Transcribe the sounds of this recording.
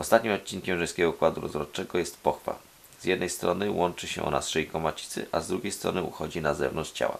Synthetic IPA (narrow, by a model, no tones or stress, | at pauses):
ɔst̪at̪ɲimɔt̪̚t͡ɕiŋkʲɛmʐɛjsʲkʲɛɡɔkwad̪uɾɔ̰zɾɔt͡ʂɛɡɔjɛst̪pɔxfa̰ | z̥jɛd̪nɛjst̪ɾɔnɘwɔnt͡ʂɘɕɛ̰ʔɔ̰na̰sʂɛjkɔmat͡ɕi̥t̪sɘ̰ʔazd̪ɾuɡʲejst̪ɾɔ̰nɘṵxɔd͡ʑinazɛ̰vnɔnt͡ʂt͡ɕa̰wa̰